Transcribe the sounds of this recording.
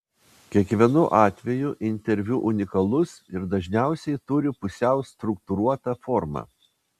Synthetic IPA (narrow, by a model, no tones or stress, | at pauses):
kʲiɛkʋʲiɛnʊʔɑːt̪ʲʋʲɛjʊʔɪnʲt̪ʲɛɾʲʋʲuʔʊnʲɪkɐlˠʊsɪɾd̪ɐʒʲnʲæˑʊsʲɛɪt̪ʊɾʲɪpʊsʲɛʊst̪ɾʊkt̪ʊɾuɔt̪ɐfɔɾmɑ̰ː